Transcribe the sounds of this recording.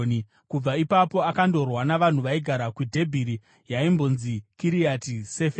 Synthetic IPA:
ni | kub͡vaipapo̞akando̞rwanaʋan̤uʋaiɡʱaɾakwudʱe̞bʱiɾi | jaimbo̞nzikiɾiatisefe

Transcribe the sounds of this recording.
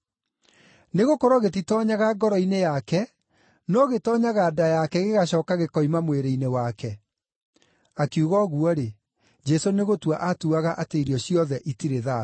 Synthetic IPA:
neɣokɔɾɔɣetitɔɲaɣaɡɔɾɔinejakɛ | nɔɣetɔɲaɣaːdajakɛɣeɣaɕɔːkaɣekɔimamweɾeinewakɛ | akiuɣɔɣuɔɾe | d͡ʒɛsoneɣotwaʔatuaɣaʔateiɾiɔɕiɔðɛʔitiɾeða

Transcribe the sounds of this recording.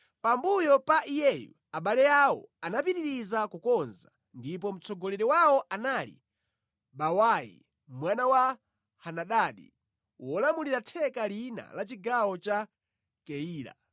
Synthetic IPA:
pambujɔpaʔijɛjṵ | aɓalɛawɔ̰anapiɾiɾizakukɔnza | ndip̬ɔm̩t͡sɔɡɔlɛɾɛwawɔʔanalḭ | ɓawajḭ | mwanawa | hanaɗaːɗḭ | wɔlamuliɾatʰɛkalina̰lat͡ʃiɡawɔt͡ʃa | kɛiːɾa̰

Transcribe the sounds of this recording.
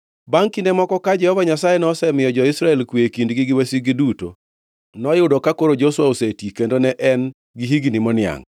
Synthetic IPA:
baŋkindemɔkɔkad͡ʒɛhɔvaɲasajenɔsɛmɪjɔd͡ʒɔisɾaɛlkwekindɡiɡɪwesiɡɪduto̰ | nɔjʊdokakoɾod͡ʒoswaosetikendonɛʔɛn | ɡiɦiɡinimɔnɪa̰ŋ

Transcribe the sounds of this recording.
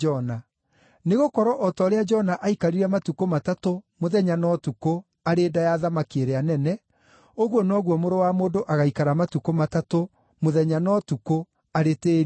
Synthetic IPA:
ɔna | neɣokɔɾɔʔɔtɔɾead͡ʒɔnaʔaikaɾiɾɛmatukomatatomoðɛɲanɔtuko | aɾeːdajaðamakeɾeanɛnɛ | oɣwɔnɔːɣwɔmoɾowamoːdoʔaɣaikaɾamatukomatato | moðɛɲanɔtuko | aɾeteɾ

